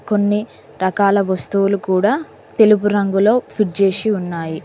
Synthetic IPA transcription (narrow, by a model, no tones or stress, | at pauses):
ko̞nːi | ɾɐkaːlɐʋɐst̪uwulukuːɽaː | t̪e̞lup̬uɾɐŋɡulo̞ːpʰiʈ̚t͡ʃe̞ːsiunːaːji